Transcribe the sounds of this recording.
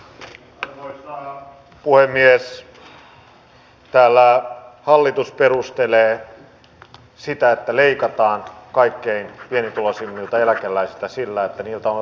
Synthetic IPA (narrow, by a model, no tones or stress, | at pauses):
noisɑ | puhemːies | t̪æːlːæhɑlːit̪usperust̪eleː | sit̪æet̪ːæleikɑt̪ɑːnkɑikːeinpienit̪ulosimːilt̪ɑelækelːˑæisilt̪æsilːæet̪ːæniːlt̪æon